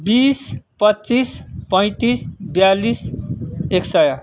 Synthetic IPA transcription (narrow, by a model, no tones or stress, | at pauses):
bispʌtːt͡sispʌj̃t̪isbjalis | eksʌja